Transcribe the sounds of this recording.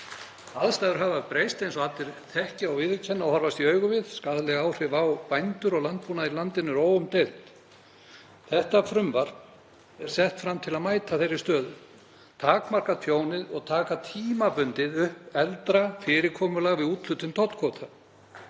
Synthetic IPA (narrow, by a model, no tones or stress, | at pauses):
aðst̪ajðʏɾɦavapɾejst̪ejnsɔat̪ɪɾθɛhcɪawvɪðʏcʰɛnːawhɔɾvast̪iœːɥɣʏvɪðskaðlɛɣaːwr̥ɪvawpajnt̪ʏɾɔɣlant̪̚puːnailant̪ɪnːʏɾoːwʏmt̪elt̪ | θɛht̪afɾʏmvaɾt | ɛɾ̥sɛht̪fɾamt̪ʰɪlaðmaːjt̪ʰaθejɾɪst̪œːðʏ | t̪ʰaːkmar̥kafʰjoːwnɪðɔɣt̪ʰaːkat̪ʰiːmapʏnt̪ɪðʏhpɛlt̪ɾafɪːɾɪkʰɔːmʏlaɣvɪðuːt̪l̥ʏt̪ʏmt̪ʰɔt̪kʰɔt̪ʰa